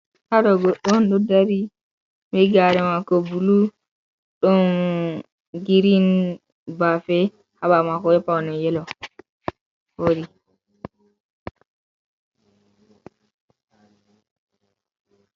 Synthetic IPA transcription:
haɗɔɡɔɗːɔnɗɔdaɾi | mɛɡaɾɛmakɔbulu | ɗɔn | ɡiɾin | bafɛ | haɓamakɔjɛpawnɛjɛlɔ | foɾi

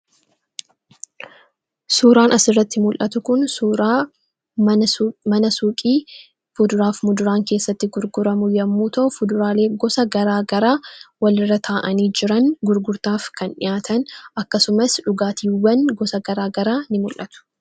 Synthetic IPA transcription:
suːɾaːnʔɐsɪrːɐt̪ːɪmʊlʔɐt̪ʊkʊnɾ | mɐnɐsuːkʼiː | fʊd̪ʊɾaːfmʊd̪ʊɾaːŋke̞ːsːɐt̪ːɪɡʊɾɡʊɾɐmʊjɐmːuːt̪ɐʔʊfʊd̪ʊɾaːle̞ːɡɔsɐɡɐɾaːɡɐɾaːwɐlɪrːɐt̪ʰaːʔɐniːd͡ʒɪɾɐnɡʊɾɡʊɾt̪aːfkɐnᶑɪ̰jaːt̪ʰɐnʔɐkːɐsʊmɐsᶑʊɡaːt̪ʰiːwːɐnɡɔsɐɡɐɾaːɡɐɾaːnɪmʊlʔɐt̪ʊ̥

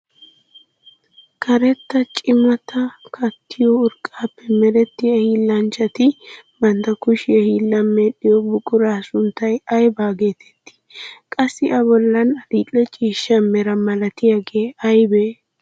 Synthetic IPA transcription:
kʰɐɾɛt̪ːɐt͡ʃʼɪmɐt̪ʰɐkʰɐt̪ʰːɪjɔʊɾkʼaːpːɛmɛɾɛt̪ːɪjɐhiːlːɐnt͡ʃɐt̪ɪbɐnd̪ɐkʊʃɪjɐhiːlːɐmːeːɗːɪjɔbʊkʼʊɾaːsʊnt̪ːɐjɐjbaːɡe̞ːt̪ɛ̥t̪ːɪ̥kʼɐsːɪʔɐbɔlːɐnɐd̪iːlʼːɛt͡ʃʼiːʃːɐmɛɾɐmɐlɐt̪ɪjaɡeːɐjbeː

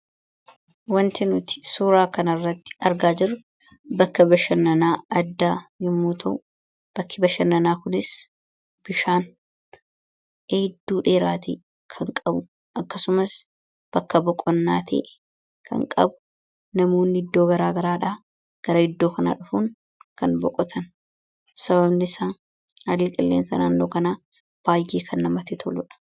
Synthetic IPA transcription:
wɐnt̪ɪnʊt̪ɪ̥suːɾaːkɐnɐrːɐt̪ːɪ̥ɐɾɡaːd͡ʒɪɾʊ | bɐkːɐbɐʃɐnːɐnaːɐd̪ːaːjɪmːuːt̪ʰɐʔʊ | b̥ɐkʰːɪbɐʃɐnːɐnaːkʊnɪs | b̥ɪʃaːn | eːd̪ːuːᶑeːɾaːt̪ʰḛː | kʰɐŋkʼɐbʊ | ʔɐkːɐsʊmɐs | b̥ɐkːɐbɔkʼːɔnːaːt̪ʰḛːʔɛ | kʰɐ̰ŋkʼɐ̰bʊ̥ | nɐmoːnːɪɪd̪ːo̞ːɡɐɾaːɡɐɾaːᶑaː | ɡ̥ɐɾɐɪd̪ːo̞ːkɐna̰ːᶑʊfuːŋ | kɐnbɔkʼɔt̪ʰɐn | sɐβɐbnɪsaːn | hɐlɪkʼɪlːḛːnsɐ̰naːnːoːkɐnaː | b̥aːjʔeːkʰɐnːɐmɐt̪ɛt̪ʰɔlʊᶑɐ̥

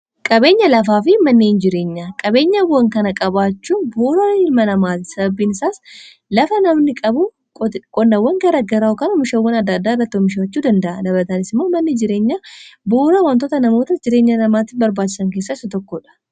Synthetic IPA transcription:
kʼɐbe̞ːɲːɐlɐfaːfɪmɐnːeːnd͡ʒɪɾe̞ːɲːakʼɐbe̞ːɲːɐwːɐŋkɐnɐkʼɐbaːt͡ʃːuːnboːɾɐɪlmɐnɐmaːt̪ɪsɐbɐbiːnɪsaːs | lɐfɐnɐmnɪkʼɐbʊ | kʼɔnːɐwːɐŋɡɐɾɐɡɐɾaːʊkɐnɔmɪʃɐwːɐnɐd̪ːɐd̪ːaːɪrːɐt̪ːomɪʃɐwɐt͡ʃːuːd̪ɐnd̪ɐʔɐdɐbɾɐt̪ɐnɪsɪmːomɐnːɪd͡ʒɪɾe̞ːɲːaːboːɾɐwɐnt̪ot̪ɐnɐmo̞ːt̪ɐd͡ʒɪɾeːɲːɐnɐmaːt̪ɪfbɐɾbaːt͡ʃːɪ̥sɐŋke̞ːsːaːɪsɐt̪ɔkːoᶑɐ̥

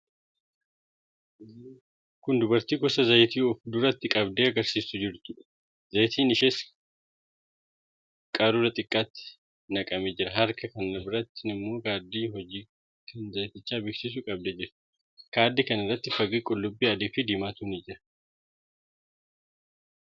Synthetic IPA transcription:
kʊnd̪ʊbɐɾt̪iːɡɔsɐzɐjt̪iːɔfd̪ʊrɐt̪ːɪkʼɐbd̪eːɐɡɐɾsiːsʊd͡ʒɪɾt̪ʊᶑ | zɐjt̪ʰiːnɪʃeːs | kʼaːɾuɾɐt̪ʼɪkʼːaːt̪ːɪ̥ | nɐkʼɐmɛd͡ʒɪɾɐɦɐɾkɐkɐnːɐbɪɾɐt̪ːɪnɪmːo̞ːkaːd̪ːiːɦɔd͡ʒiː | kɐnzɐjt̪ɪt͡ʃːaːbɪksɪs̬ʊkʼɐb̚d̪eːd͡ʒɪɾʊ̥ | kaːd̪ːikɐnɪrːɐt̪ːɪfɐɡiːkʼʊlːʊbːiːɐd̪iːfɪd̪ɪmaːt̪unɪd͡ʒɪɾɐ

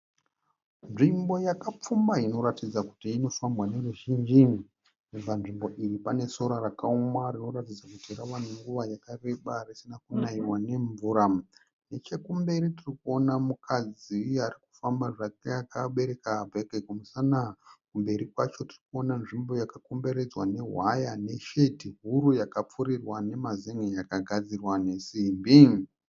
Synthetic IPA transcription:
nʐimbo̞jakap͡fumbaino̞ɾatid͡zaku̥tiːno̞fambwane̞ruʒind͡ʒi | ub͡vanʐimbo̞ʔiripane̞so̞ɾarakaomarino̞ɾatid͡zakutiiɾaʋaneŋɡuʋajakareɓarisinakunaiwane̞ɱvuːɾa | ne̞t͡ʃe̞kumbe̞ɾitirikuo̞namukʰad͡ziariku̥fambaʐakjakaɓe̞ɾe̞kabʱekekumusanakumbe̞ɾikwat͡ʃo̞tirikuo̞nanʐimbo̞jakakombe̞ɾe̞d͡zwane̞ɦwajane̞ʃe̞tiɦuɾujakap͡fuɾirwane̞mazeŋwejakaɡʱad͡zirwane̞simbiŋ

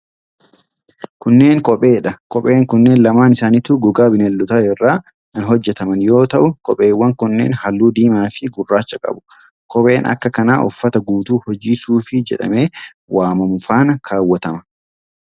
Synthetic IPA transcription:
kʊnːe̞ːŋkʼɔpʼe̞ːᶑɐkʼɔpʼe̞ːŋkʊnːe̞ːnlɐmaːnɪsaːnɪt̪uːɡʊɡaːbɪnɛlːʊt̪ɐɛrːaː | ɐnɦɔd͡ʒːɛt̪ɐmɐnjo̞ːt̪ɐʔʊkʼɔpʼe̞ːwːɐŋkʊnːeːnhɐlːuːd̪iːmaːfɪɡʊrːaːt͡ʃːɐkʼɐ̰bʊ̥ | kʼɔpʼe̞ːnɐ̰kːɐkɐnaːʔʊfːɐt̪ɐɡuːt̪uːhɔd͡ʒiːsuːfɪd͡ʒɛᶑɐ̰me̞ː | waːmɐmʊfaːnɐkʰaːwːɐt̪ɐmɐ

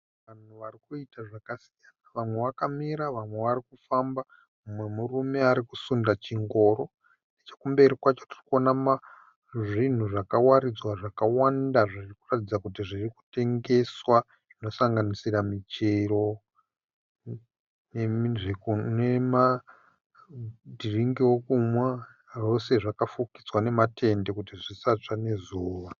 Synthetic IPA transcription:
ʋan̤uʋarikuitaʐakasijanaʋamwe̞ʋakamiɾaʋamwe̞ʋaɾikufamba | umwe̞murume̞aɾikusundat͡ʃiŋɡo̞ːɾo̞ | net͡ʃekumbe̞ɾikwat͡ʃo̞ti̥rikuonama | ʐin̤uʐakawaɾid͡zwaʐakawandaʐirikuratid͡zakut̬iʐiriku̥te̞ŋɡe̞swa | ʐ̥ino̞saŋɡanisiramit͡ʃero̞ | nʐeknema | dʱiriŋɡiwokumwa | ro̞se̞ʐakafuki̥d͡zwane̞matʰe̞nde̞kutiʐisat͡ʂane̞zuːwa

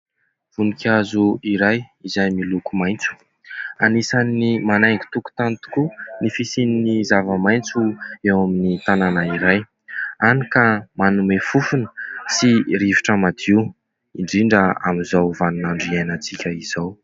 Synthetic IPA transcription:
v̥unikʰʲazuiɾajizajmilukumajnt͡su̥ | anisanːimanajŋɡi̥t̪uku̥t̪ant̪u̥kunifisininizavəmaj̃nt͡suewaminit̪ananaiɾaj | anikəmanumefufunə̥siɾiviʈ͡ʂəmad̪iw | iɳɖ͡ʐiɳɖ͡ʐəamizawvanunaɳɖ͡ʐiajnat͡sikʲəiz̥aw

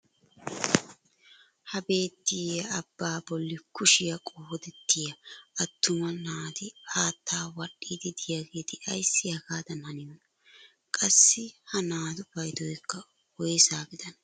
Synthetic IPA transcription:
hɐbe̞ːt̪ːɪjɐɐbːaːbɔlːɪkʊʃɪjɐkʼohɔd̪ɛt̪ːɪjɐɐt̪ʰːʊmɐnaːd̪ɪaːt̪ːaːwɐɗiːd̪ɪd̪ɪjaɡe̞ːt̪ɪʔɐjsːɪjɐkaːd̪ɐnɐnɪjɔ | kʼɐsːɪhɐnaːd̪ʊbɐjd̪ɔjkːɐ | wɔjsaːbɪd̪ɐnɐ

